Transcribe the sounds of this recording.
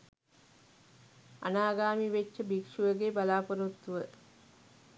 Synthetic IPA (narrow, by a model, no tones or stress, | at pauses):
ɐ̰naːɡaːmiʋet͡ʃːəbikʂuʋəɡeːbalaːpɐɾut̪ːuʋə